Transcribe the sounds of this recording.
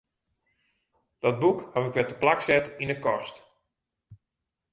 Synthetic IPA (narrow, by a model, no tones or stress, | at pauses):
d̥ɔt̚bukhaʋɪkʋɛtəplaksɛtindəkɔst